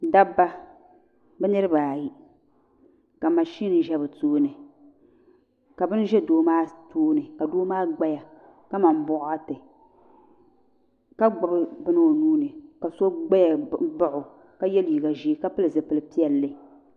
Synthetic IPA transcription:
da˦bːa˦ | bɛ˦nɨ˦ɾɨ˦baː˨ji˦ | ka˨ma˨ʃi˦nɨ˨ʒɛ˦bɨ˨toː˦nɨ˨ | ka˨bɨ˦n˦ʒɛ˦doː˦maː˦toː˦nɨ˨ka˨doː˦maː˦ɡ͡ba˦ja˨ | ka˦ma˨m˦bʊ˦ʔʊ˦a˦tɨ˨ | ka˦ɡ͡ba˨bɨ˦bɨ˦nɨ˦o˨nuː˦nɨ˨ka˨so˦ɡ͡ba˦ja˨ba˦ʔʊ˨ | ka˦jɛ˦li˨ɡa˨ʒi˦ka˦pɨ˦lɨ˨zɨ˨pɨ˨lɨ˨˦pi˦ɛ˨lːɨ˦

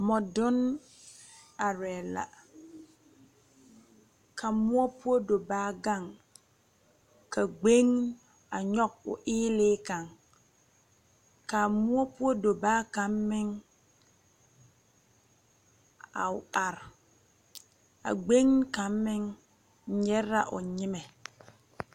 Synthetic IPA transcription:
mɔ˨dʊ˦n | a˨ɾɛː˨la̰˨ | kʰa˨mu˦ɔ˦pu˦o˦do˨baː˦ɡa˦˨ŋ | ka˨ɡ͡be˦ŋ | a˨ɲɔ˦k̚ʊ̰˨ʔɪː˦lɪː˦ka˨ŋ | ka˨mʊ˦ɔ˦pu˦ɔ˦do˨baː˦ka˨˦mːɪ˦ŋ | a̰˨ʊ˨a˨ɾ | a̰˨ɡ͡be˦ŋ˦ka˨mːɪ˦ŋ˦ | ɲɛ˦ɾa˦ʔʊ̰˨ɲɪ˦mɛ˨

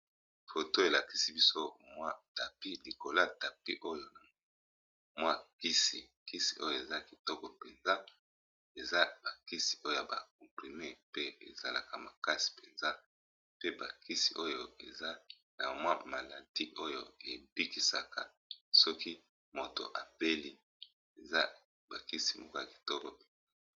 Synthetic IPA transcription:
fo˨to˦e˨la˨ki̥˨si˦bi˦so˦mwa˦ta˨pi˦li˨ko˨la˦ta˨pi˦ʔo˦jo˦na˨ | mwa˦ki˦si˨ | ki˦si̥˨ʔo˦jo˦˨e˨za˦ki˨tɔ˦kɔ˨pe˨nza˦ | e˨za˦ba˨ki˦si̥˨ʔo˦jo˨ja˨ba̰˨k̚ɔ˨mpʁi˨me˦pe˦ḛ˨za˨la̰˨ka˨ma˨ka˦si̥˨pe˨nza˦ | pe˦ba˨ki˦si˨ʔo˦jo˨e˨za˦ | na˨mwa˦ma˨la˨di˦ʔo˦jo̰˦e˨bi˦ki˨sa˨ka˨ | sɔ˦ki˦ | mo˨to̰˨ʔa˨be˦li˦ | e˨za˦ | ba˨ki˦si̥˨mo˦ko˦ja˨ki̥˨tɔ˦kɔ˨pe˨nza˦

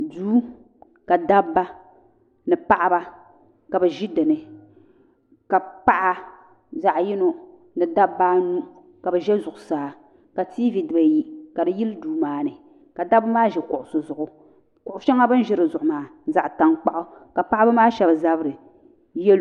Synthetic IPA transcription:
duː˦ | ka˨da˦bːa˦ | nɨ˨pa˦ʔa˦ba˦ | ka˨bɛ˨ʒi˦dɨ˨nɨ˨ | ka˨pa˦ʔa˦ | za˨ʔji˦no˦ | nɨ˨da˦bːa˦nu˦ | ka˨bɛ˨ʒɛ˦zʊ˨ʔʊ˨saː˨ | ka˨ti˦vi˨dɨ˨ba˨ji˦ka˨dɨ˨ji˦lduː˨maː˦nɨ˨ | ka˨da˦bʊ˦maː˦ʒɛ˨kʊ˨ʔʊ˨sʊ˨zʊ˨ʔʊ˨ | kʊ˨ʔʊ˨˦ʃɛ˦ŋa˦bɨ˦n˦ʒɪ˦ɾɨ˨zʊ˨ʔʊ˨maː˨˦za˨ʔta˨ŋk͡pa˦ʔʊ˦ka˨pa˦ʔa˦ba˦maː˦ʃɛ˨bza˦bɨ˦ɾɨ˨ | jɛ˦l

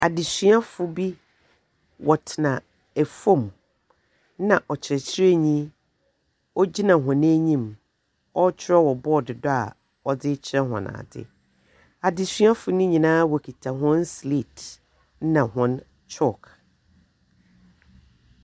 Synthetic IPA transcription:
a˨dɪ˨sɥa˦fʊ˨bi˦ | wɔ˨tʰɪ˨nã˨ | æ˨fõ˦˨m | nã˨ʔɔ˨t͡ɕʰɪ˨ɛ˨t͡ɕʰɪ˦ɾe˦ɲĩ˦ | ɔ˦d͡ʑi˦nã˨ɦɔ̃˨ñ˦ɲĩ˦˨m | ɔ˦t͡ɕʰɪ˦ɾɔ˦wɔ˨bɔ˦˨dɪ˨dɔ˦a̰˨ | ɔ˨dɪ˦t͡ɕʰɪ˦ɾɛ˦ɦɔ̰̃˨nã̰ː˨dɪ̰˦ | a˨dɪ˨sɥa˦fʊ˦nʊ̃˦ɲĩ˨nãː˦wɔ˨kʰi˨tʰa˨ɦɔ̃˦nsli˨t | nã˨ɦɔ̃˦n | t͡ʃʰɔ˦˨kʰ

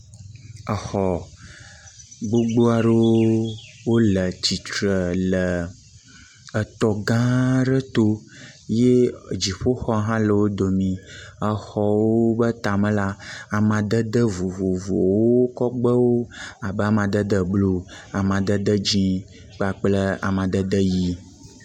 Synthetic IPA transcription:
ə˨xɔ˨ | ɡ͡bo˦ɡ͡bo˦a˨ɖə˦w | wo˦lə˨t͡ɕi˨t̪ɾə˨lə˨ | ə˨t̪ɔ˨ɡã˦ɖə˦t̪o˦je˦˨d͡ʒi˨ɸo˦xɔ˦ɦã˦lə˨wo˦d̪o˨mĩ˨ə˨xɔ˦wo˦bə˦t̪a˨mə̃˦la˦a˨mã˨d̪ə˦d̪ə˦vu˨vu˨vo˨wo˦kɔ˦ɡ͡bə˦wo˦a˨bə˦a˨mã˨d̪ə˦d̪ə˦blo˦a˨mã˨d̪ə˦d̪ə˦d͡ʒĩ˦ | k͡pa˨k͡plə˦a̰˨mã˨d̪ə˦d̪ə˦ji˦

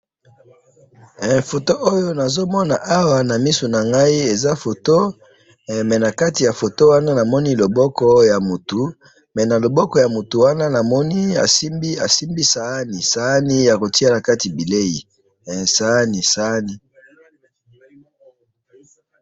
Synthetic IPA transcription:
fo˨to˦ʔo˦jo˦na˨zo˦mɔ˦na˨ʔa˦wa˨na˨mi˦so˨na˨ŋɡa˦i˦e˨za˦fo˨to˦ | mɛ˨na˨ka˦ti˨ja˨fo˨to˦wa˦na˦na˨mɔ˦ni˦lo˨bɔ˦kɔ˦ja˨mu˨tu˨˦ | mɛ˨na˨lo˨bɔ˦kɔ˨ja˨mu˨tu˨wa˦na˦na˨mɔ˦ni˦a̰˨si˦mbi˦a˨si˦mbi˦sa˨a˦ni˨sa˨˦ni˦ja˨ko˨ti˦a˦na˨ka˦ti˨bi˨le˦ji˨ | sa˨˦ni˨sa˨˦ni˨

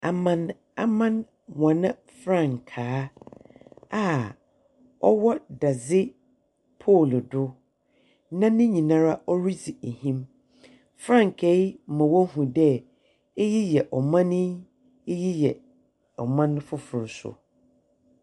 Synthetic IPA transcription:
a˨mã˦˨n | a̰˨mã˦n | wã˨nã˦ | fɾã˦˨ŋkʰaː˨˦ | a˦ | ɔ˦wɔ˦da˨zɪ˦ | pʰo˦˨ldʊ˦ | nã˦nɪ̃˦ɲĩ˨nã˦ɾa˦ʔɔ˦ɾi˦d͡zi˨e˨hĩ˦m | fɾã˦˨ŋ˨kʰe˨˦˨mã˨wɔ˦hũ˨dɛ˦ | e˦ji˦jɛ˨ʔɔ˨mã˦nɪ̃˦ | ji˦jɛ˨ | ɔ˨mã˦ñ˦fʊ˦fʊ˨ɾʊ˨sʊ̰˨

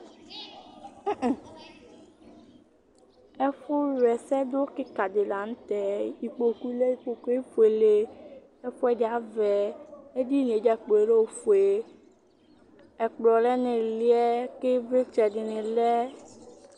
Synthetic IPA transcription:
ɛ˦ɸo˦ɾɛ˨sɛ˦d̪o˦ke˦ka˨d̪e˨la˨ŋ̃˦t̪ɛ˨i˨k͡po˨ku˦le˦i˨k͡po˨ku˦e˦fu˨e˨le˦ | e˦ɸo˦ɛ˦de˨a˨˦vɛ˨e˦di˦n˨e˨˦d͡ʒa˦k͡po˨e˨ɖe˦wo˨fu˨e˨ | ɛ˨k͡plɔ˨lɛ˦nẽ˨li˦ɛ˦ke˦ve˦t͡ʃɛ˨ɖe˨nẽ˨lɛ˦

